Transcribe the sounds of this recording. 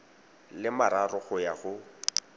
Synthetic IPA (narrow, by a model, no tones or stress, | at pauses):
lɪmaɾarʊɣʊjaɣʊ